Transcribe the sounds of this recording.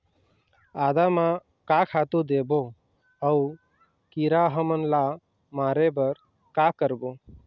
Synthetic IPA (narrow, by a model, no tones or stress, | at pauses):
aːd̪amã | kakʰat̪ud̪ebo | əu | kiɾaɦəmənla | maːɾebəɾ | kakəɾbo